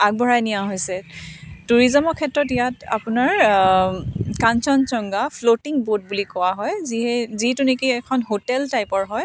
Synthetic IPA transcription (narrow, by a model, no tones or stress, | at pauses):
ak̚bʱɔɹajnijaɦojsɛtuɹizɔmɔkʰɛtɹɔtijata̰punaɹ | kansɔnt͡ʃɔŋɡapʰlotiŋbot̚bulikɔwaɦɔjziɦɛzitunikiɛkʰɔnɦotɛltajpɔɹɦɔj